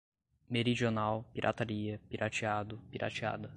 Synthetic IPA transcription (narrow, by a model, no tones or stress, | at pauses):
meɾid͡ʒionawpiɾʔa̰t̪aɾiɐpiɾʔat͡ʃiad̪ʊpiɾʔa̰t͡ʃa̰d̪ɐ